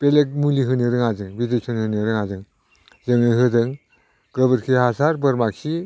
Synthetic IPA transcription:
pelek̚muliɦɯnɯɾɯŋazɯŋbidek̚sʰɔnhɯnɯɾɯŋazɯŋ | zɯŋɯjɦɯdɯŋ | ɡɯbɯɾkʰihasaɾbɯɾmak̚si

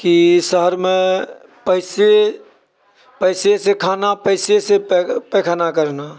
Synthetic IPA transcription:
kisəɦəɾme | pəɪse | pəɪsesekʰanapəɪsesepekʰanakəɾna

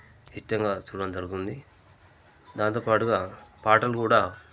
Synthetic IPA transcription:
t͡ʃiʈːɐŋɡaːt͡ʃuːɽɐnd͡ʒɐɾɡut̪und̪i | d̪aːnt̪oːpaːʈuɡaːpaːʈɐlukuːɽaː

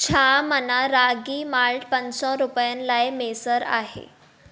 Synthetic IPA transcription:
t͡ɕʰamənaɾaɡiːmaɭʈpənsɔɾupjənlajmesəɾa̰ɦḛ

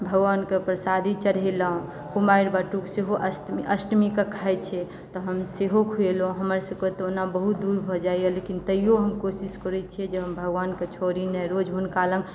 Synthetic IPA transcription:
bʱəɡʋankepɾəsad̪ʱit͡ʃəɾɦɛləɦõ | kumaiɽbaʈukseɦoʔəsʔəsʈmikəkʰajt͡ʃʰɛ | t̪ɔɦəmseɦokʰuelõɦəməɾsəbket̪onabəɦut̪̚d̪uɾbʱɔd͡ʒajəlekint̪əijoɦəmkosiskəɾɛt͡ʃʰɛd͡ʒeɦəmbʱəɡʋanket͡ʃʰoɾinɛɾod͡ʒɦunkalən

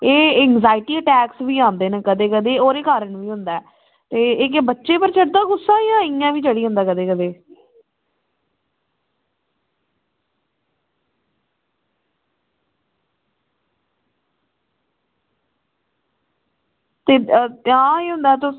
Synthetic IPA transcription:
eːɛːŋzaːɪʈiːəʈɛːksʋiːãːnd̪eːnəkəd̪eːkəd̪eːoːɾeːkaːɾəɳʋiːɦʊnd̪aɛː | t̪eːɪk̬ebətːʃeːpəɾt͡ʃʰəɽd̪aːɡʊsːaːjãːɪãːʋiːt͡ʃəɽiːɦʊ̃nd̪aːkəd̪eːkəd̪eː | t̪eːɦãːeːɦʊ̃nd̪aːt̪ʊ

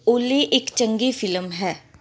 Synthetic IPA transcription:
oːleːʔɪkt͡ʃəŋɡiːfʰɪlmɦɛː

